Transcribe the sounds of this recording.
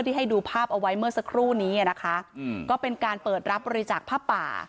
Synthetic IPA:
t̪ʰiː˥˩ɦa˥˩jduː˧pʰaː˥˩p̚ʔa˧wa˦˥jmɯ˥˩ɐsa˧kʰɾuː˥˩niː˦˥a˨na˦˥kʰa˦˥kɔː˥˩pe˧nkaː˧npɤː˨˩t̪̚ɾa˦˥p̚bɔː˧ɾi˦˥t͡ɕaː˨˩k̚pʰaː˥˩pa̰ː˨˩

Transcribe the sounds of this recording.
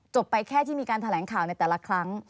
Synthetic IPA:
t͡ɕo˨˩pːa˧jkʰɛː˥˩t̪ʰiː˥˩miː˧kaː˧nt̪ʰlɛː˩˦ŋkʰaː˨˩wna˧jt̪ɛː˨˩la˧kʰɾa˦˥ŋ

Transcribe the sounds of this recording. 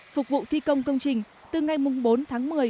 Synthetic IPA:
fʊ˨˩k̚vṵ˧˨t̪ʰi˧kə˧wŋ͡mkə˧wŋ͡mt͡ɕï˨˩ŋ̟ | t̪ɨ˨˩ŋa˨˩jmʊ˨˩ŋ͡mɓo˨˦nt̪ʰaː˨˦ŋmɨ˨˩əj

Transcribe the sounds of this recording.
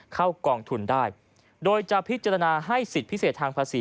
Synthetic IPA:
kʰa˥˩wkɔː˧ŋt̪ʰu˧ndaː˥˩j | doː˧jt͡ɕa˨˩pʰi˦˥t̪̚t͡ɕa˧ɾa˧naː˧ɦa˥˩jsi˨˩t̪̚pʰi˦˥seː˨˩t̪ʰːaː˧ŋpʰaː˧siː˨˩˦

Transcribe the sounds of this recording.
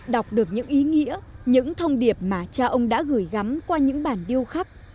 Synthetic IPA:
ɗa˨˩wk͡p̚ɗɨ˨˩ək̚ɲɨ̰˧˥ŋʔi˨˦ŋḭ˧˥əɲɨ̰˧˥ŋt̪ʰə˧wŋ͡mɗi˨˩əp̚maː˨˩t͡ɕa˧ʔə˧wŋ͡mɗa̰ː˧˥ɣɨ˧˩jɣa˨˦mkwaː˧ɲɨ̰˧˥ŋɓaː˧˩nɗi˧əwxa˦˥p̚

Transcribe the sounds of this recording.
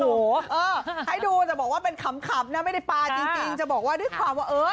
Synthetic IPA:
hoː˨˦ʔɤː˧ha˥˩jduː˧t̪ɛ˨˩bɔː˨˩k̚waː˥˩pe˧nkʰa˧˦mkʰa˨˩p̚na˦˥ma˥˩jda˥˩jpaː˧t͡ɕi˧ŋt͡ɕi˧ŋt͡ɕa˨˩bɔː˨˩k̚waː˥˩dɯ˦˥˩ə˨˩kʰwaː˧mwaː˥˩ʔɤː˦˥

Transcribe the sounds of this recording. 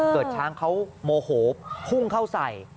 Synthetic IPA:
kɤː˨˩t̪̚t͡ɕʰaː˦˥ŋkʰa˦˥wmoː˧hoː˩˦p̚pʰu˥˩ŋkʰa˥˩wsa˨˩j

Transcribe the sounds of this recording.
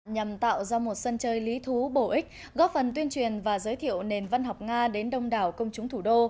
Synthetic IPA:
ɲa˨˩mt̪a̰ː˧˨wzaː˧mo˨˩t̚sə˧nt͡ɕəː˧jli˨˦t̪ʰu˨˦ɓo˧˩ʔï˦˥k̟̚ | ɣɔ˦˥p̚fə˨˩nt̪wi˧ənt͡ɕwi˨˩ənvaː˨˩zəː˨˦jt̪ʰḭ˧˨əwne˨˩nva˧nɦɔ˨˩wk͡p̚ŋaː˧ɗe˨˦nɗə˧wŋ͡mɗaː˨˩wkə˧wŋ͡mt͡ɕʊ˨˦ŋ͡mt̪ʰu˧˩ɗo˧

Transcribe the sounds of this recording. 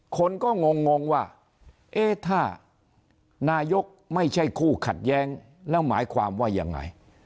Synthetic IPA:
kʰo˧nkɔː˥˩ŋo˧ŋːo˧ŋwaː˥˩ | ʔeː˦˥˩t̪ʰaː˥˩ | naː˧jo˦˥k̚ma˥˩jt͡ɕʰa˥˩jkʰuː˥˩kʰa˨˩t̪̚jɛː˦˥ŋ | lɛ˦˥wma̰ː˩˦jkʰwaː˧mwaː˥˩ja̰˧ŋːa̰˧j

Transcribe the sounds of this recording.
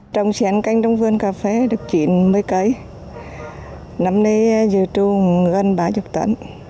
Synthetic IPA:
t͡ɕə˨˧˩wŋ͡msɛ˨˦nka˧jŋ̟ɗɔ˧wŋ͡mvɨ˧ənkaː˨˩fe˧˦ɗɨ˨˩ək̚t͡ɕḭ˧˨nmə˨˧˦jkə˨˧˦j | na˨˦mnə˧jzɨ˨˩t͡ɕu˧ŋ˨˦ə˧nɓaː˨˦zu˨˩k̚t̪ə̰˧˥n

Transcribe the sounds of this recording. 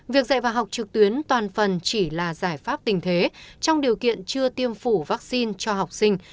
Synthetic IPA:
vi˨˩ək̚za̰ː˧˨jvaː˨˩ɦa˨˩wk͡p̚t͡ɕɨ˨˩k̚t̪wi˨˦ənt̪waː˨˩nfə˨˩nt͡ɕi˧˩laː˨˩zaː˧˩jfaː˦˥p̚t̪ï˨˩ŋ̟t̪ʰe˨˦t͡ɕɔ˧wŋ͡mɗi˨˩əwkḭ˧˨ənt͡ɕɨ˧ət̪i˧əmfu˧˩vaː˦˥k̚si˧nt͡ɕɔ˧ɦa˨˩wk͡p̚sï˧ŋ̟

